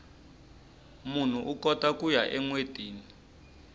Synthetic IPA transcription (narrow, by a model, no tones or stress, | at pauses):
mun̤uʔukɔtakujaʔɛŋwed̥ʱiːnii